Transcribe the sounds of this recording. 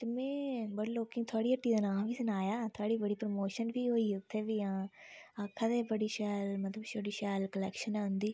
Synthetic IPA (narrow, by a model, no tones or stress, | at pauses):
t̪emɛ̃ːbəɽloːkɪ̃ŋɡt̪ʰʊaːɽiːəʈːiːd̪aːnãːʋiːsɪnaːjaːt̪ʰoaːɽiːbəɽiːpɾəmoːʃənʋiːɦoːiːʊt̪ʰːeːʋiːãːakʰːaːd̪eːbəɽiːʃaːlmət̪ləbʃoɽiːʃaːlkəlɛːkʃənɛːɦʊ̃nd̪iː